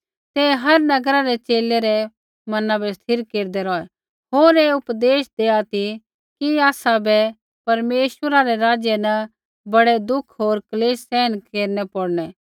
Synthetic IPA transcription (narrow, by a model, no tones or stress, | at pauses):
t̪ɛɦɐɾnɐɡɾaɾɛt͡ʃeːleɾɛ | mɐnãbɛst̪ʰɪɾkeːɾd̪ɛɾɔːɛ | ɦoːɾeːʊpd̪eːʃd̪eːat̪i | kiaːsabɛ | pɐɾmeːʃwəɾaɾɛɾaːd͡ʒjɛnɐ | bɐɽed̪ʊkʰɦoːɾkɐleːsːɛːnkeːɾnɛpoɽnɛː